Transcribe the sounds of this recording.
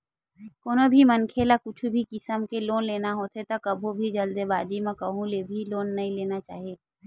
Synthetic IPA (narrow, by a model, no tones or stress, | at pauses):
koːnobʱimənkʰeːlakʊt͡ʃʰubʱikɪsəmkeloːnleːnaɦoːt̪et̪ɐkɐbʱobʱid͡ʒəld̪ebaːd͡ʒ̪imẽkɐɦũlebʱiloːnːɐɦĩleːnat͡ʃa̰ːɦieː